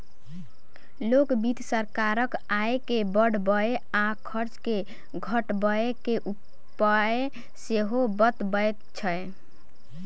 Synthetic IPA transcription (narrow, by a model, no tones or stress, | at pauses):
lokbid̪ʱsəɾkaɾəkaekebəɽ̤bəe | akʰəɾt͡ʃke | ɡʱəʈbəekeʔu | pae | seɦobət̪bəet̪t͡ʃʰəe